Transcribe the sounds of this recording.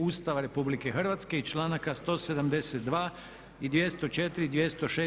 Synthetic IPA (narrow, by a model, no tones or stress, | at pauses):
uːst̪aʋaɾe̞publike̞xr̩ʋat̪ske̞it͡ʃlˠaːnakast̪o̞ːse̞d̪amd̪eset̪̚d̪ʋaː | id̪ʋje̞st̪o̞t͡ʃe̞t̪ɾid̪ʋje̞st̪o̞ʃeː